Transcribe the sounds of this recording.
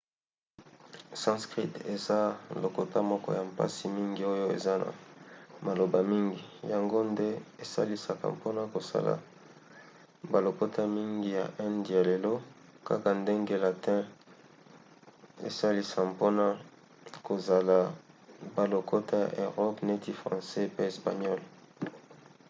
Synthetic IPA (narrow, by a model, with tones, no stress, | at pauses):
sã˦skʁi˦te˨za˦lo˨ko˨ta˦mɔ˦kɔ̰˦ja˨mpa̰˦si˨mi˦ŋɡi˦o˦jo˦ḛ˨za˦na̰˨ma˨lo˨ba˨mi˦ŋɡi˨ja˨ŋɡo˦nde˦e˨sa̰˦li˦sa˨ka̰˨mpo˦na˦ko˨sa̰˦la̰˨ | ba˨lo˨ko˦ta˦mi˦ŋɡi˦ja̰˨ʔɛ˦ndi˨ja˨le˨lo˦ka̰˦ka˨nde˦ŋɡe˦la˨tɛ̃˦ | ḛ˨sa˦li˨sa˨mpo˦na˦ | ko˨za˨la˨ba˨lo˨ko˦ta˦ja̰˨ʔe˨ʁɔ˦pne˦ti˦fʁɑ̰̃˨sɛ˦pe˦e˨spa˨ɲɔ˦l